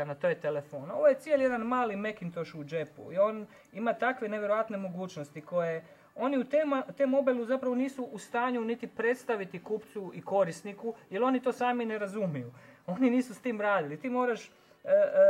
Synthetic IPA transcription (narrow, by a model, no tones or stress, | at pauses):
nat̪ojet̪elefono̞ʋoje̞t̪sijelje̞d̪anmaːlime̞kint̪o̞ʃud͡ʒe̞pṵio̞ːn | imat̪akʋe̞neʋjeɾoʋat̪ne̞mo̞ɡuːt͡ʃnost̪iko̞je̞ | o̞niut̪emt̪emo̞beluzapɾaʋo̞niːsuʔːst̪aːɲunit̪ipɾe̞t̪st̪aʋit̪ikuːpt̪suiko̞ɾisnikujelo̞nit̪o̞ːsaːmine̞ɾazumijuo̞niniːsust̪iːmɾaːd̪ilit̪iːmo̞ːɾaʃ